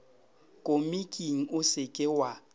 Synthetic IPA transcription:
kʼʊmikʼiŋ̩ʊsɪkʼɪwa

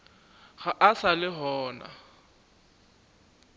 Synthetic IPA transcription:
ɣaʔasalɪɦɔːna̰

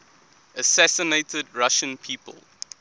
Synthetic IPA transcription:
əsæsəneɪtʰədɹaʃə̃npʰiːpʰə̰lˠ

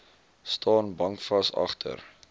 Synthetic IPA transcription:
stʰɑːnbɐŋkfɐsɐ̰χtʰə̰r

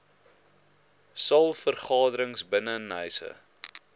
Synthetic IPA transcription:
sɐlˠfərχɑːdəɾəŋsbənənəjsə̰

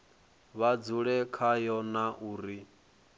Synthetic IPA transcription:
βad͡zuɺɛkʰajɔnaʔuːɾi

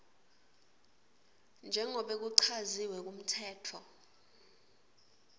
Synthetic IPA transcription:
nd͡ʒʱɛŋʱɔɓek̬uǀʰaziwɛk̬um̩tʰɛːtʰɔ

